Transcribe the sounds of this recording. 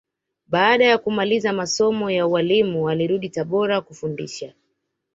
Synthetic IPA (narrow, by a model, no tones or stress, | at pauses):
ɓaːɗajakumalizamasɔmɔjauwalimuwaliɾuɗitaɓɔɾakufundḭʃa